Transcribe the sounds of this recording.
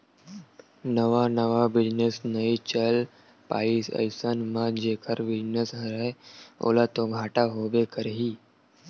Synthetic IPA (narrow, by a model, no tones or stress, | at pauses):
nəʋanəʋabɪd͡ʒnesnɐĩt͡ʃəl | pa̰ːiːsə̰jsənmãd͡ʒeːkəɾʋɪd͡ʒnəsɦəɾəeo̰ːlat̪oɡʱaːʈaɦoːbekəɾɦiː